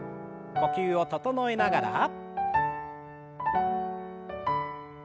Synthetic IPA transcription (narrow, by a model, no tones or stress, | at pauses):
mo̞kʲɨːo̞t̪o̞t̪o̞no̞inaɡaɾa̰